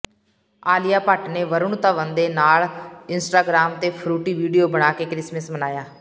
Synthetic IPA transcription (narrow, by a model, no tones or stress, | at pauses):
aːlɪjaːpaːʈneːʋəɾʊɳt̪əʋənd̪eːnaːlɪnsʈaːɡɾaːmt̪eːpʰɾuːʈiːʋiːɖijoːbəɽ̃aːkeːkɾɪsməsmənaːjaː